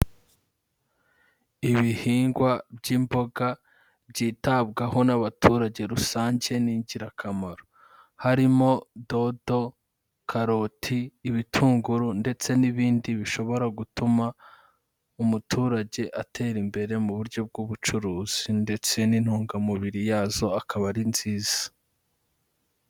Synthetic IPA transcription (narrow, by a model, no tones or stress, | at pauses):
iβihiːŋɡwabɟiːmbo̞ɡa | bɟiːtab̚ɡaho̞naβatʰuːɾaɟe̞ɾusaːɲɟe̞niːɲɟiɾakʰamaɾo | haɾimo̞do̞do̞ | kʰaɾo̞tʰiːβitʰuːŋɡuɾunde̞t͡se̞niβiːndiβiʃo̞βo̞ɾaɡutuma | umutʰuːɾaɟe̞ʔatʰe̞ːɾimbe̞ɾe̞muβuɾɟo̞b̚ɡuβut͡ʃuɾuːz̥inde̞t͡se̞nin̥huːŋɡamuβiɾijaːzo̞akaβaɾinz̥iːz̥ḁ